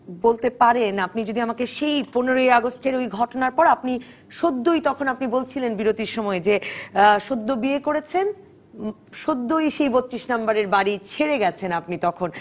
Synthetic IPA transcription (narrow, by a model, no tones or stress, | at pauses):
bolt̪epaɾenapnid͡ʑod̪iamakeʃejponeɾoeaɡosʈeɾojɡʱɔʈonaɾpɔɾapni | ʃod̪ʱːojt̪ɔkʰonapnibolt͡ɕʰilenbiɾot̪iɾʃɔmɔed͡ʑeʃod̪ːobiekoɾet͡ɕʰen | ʃod̪ːojʃejbot̪ːɾiʃnambaɾeɾbaɾit͡ɕʰeɾeɡɛt͡ɕʰenapnit̪ɔkʰon